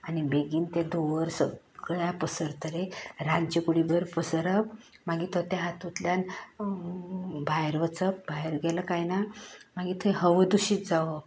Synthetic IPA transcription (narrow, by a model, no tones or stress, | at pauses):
anibeɡiːnt̪ad̪oʋəɾsə | ɡɭjapəsəɾt̪əɾeɾant͡ɕekuɽibəɾpəsəɾəp | maɡiːt̪ət̪jaɦat̪ut̪ljan | bʱajɾʋət͡səp̚bajɾɡɛləkajnamaɡiːt̪ʰeɦəʋəd̪uɕiːt̪d͡zaʋə